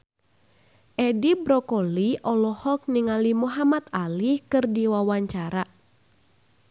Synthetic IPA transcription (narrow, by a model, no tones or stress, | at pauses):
ʔɛdibɾɔkɔliʔɔlɔhɔk̚niŋalimuɦamat̪alihkɨrdiwawaɲt͡ʃaɾa